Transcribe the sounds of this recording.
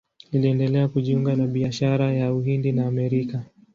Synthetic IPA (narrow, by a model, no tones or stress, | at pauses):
iliɛndɛlɛakuʄiuŋɡanaɓiaʃaɾajauɦindinaːmɛɾika